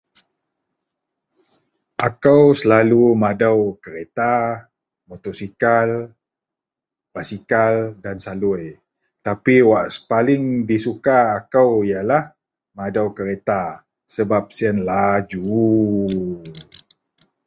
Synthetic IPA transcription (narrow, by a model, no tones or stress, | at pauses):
ʔakawsəlalumadawkəɾet̪a | mot̪osikal | b̥asikaldansaluj | t̪apiwaʔsə̥palɪŋdisukaːkawijalah | madawkəɾet̪a | səbap̚siənlad͡ʒu